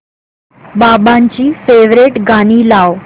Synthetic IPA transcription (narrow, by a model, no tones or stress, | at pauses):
babãɲt͡ɕiːfeʋɾeʈɡaɽ̃iːlaʋ